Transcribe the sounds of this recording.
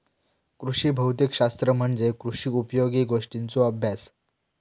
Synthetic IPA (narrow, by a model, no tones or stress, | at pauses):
kɾuʂiːbʱəwt̪ikɕast̪ɾəm̤əɳd͡zekɾuʂiːupjoɡiːɡoʂʈint͡soəbʱjas